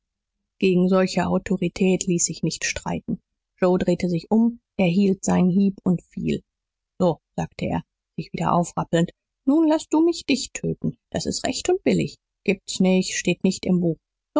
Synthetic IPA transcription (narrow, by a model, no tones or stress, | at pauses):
ɡ̥eːɡŋ̩zɔlçəʔaʊtʰoʁitʰɛːtʰliːsz̥ɪçnɪçtʃtʁ̥a̰ɪtn̩ | ʒoʊdʁeːtəzɪçʔʊmʔɛːɐɦiːltz̥aɪnnɦiːpʊntfḭːl | z̥oːz̥aːktʰəʔḛːɐ | z̥ɪçv̥iːdɐ̰ʔa̰ʊfʁ̥apl̩nt | nuːnlas̚d̥uːmɪçd̥ɪçtʰøːtn̩d̥asɪ̰stʁɛçtʊnt̚b̥ɪlɪ̰ç | ɡ̥iːp̚tsnɪçʃteːtnɪçtɪmbuːχ | z̥o